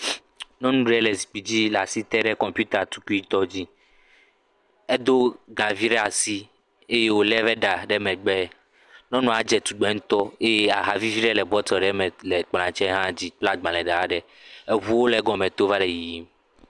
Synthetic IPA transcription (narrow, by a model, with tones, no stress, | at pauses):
nɔ̃˦nũ˦ɖɛ˦lɛ˨zi˨k͡pi˨d͡ʑi˦la˨si˦t̪ɛ˦ɖɛ˦kɔ̃˨mpju˦t̪a˨t̪u̥˦ku˦i˦t̪ɔ˦d͡ʑi˦ | ɛ˦d̪o˦ɡa˨vi˦ɖɛ˦a˨si˦ | e˦je˦wo˦lɛ˦vɛ˦ɖa˨ɖɛ˦mɛ̃˨ɡ͡bɛ˦ | nɔ̃˦nɔ̃˨a˨d͡ʒɛ˨t̪u˨ɡ͡bɛ˨˦ŋũ˦t̪ɔ˦e˦je˦a˨ɦa˨vi˦vi˦ɖɛ˦lɛ˨bɔ˦t̪ɔ˨ɖɛ˦mɛ̃˨lɛ˨k͡plã˨t͡ʃɛ˦ɦã˦˨d͡ʑi˦k͡pla˦t̪̚ɡ͡bã˨lɛ˨ɖa˨a˦ɖɛ˨ | ɛ˨βu˦wo˦lɛ˨˦ɡɔ̃˨mɛ̃˨t̪o˦va˦ɖɛ˨ji˨ji˦m